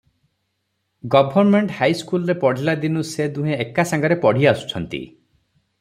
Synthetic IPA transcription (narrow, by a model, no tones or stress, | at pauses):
ɡɔbʱɔɾmeɳʈhajskulɔɾepɔɽ̤ilad̪inused̪uɦẽːkasaŋɡɔɾepɔɽ̤iasu̥t͡ʃʰɔnt̪ḭ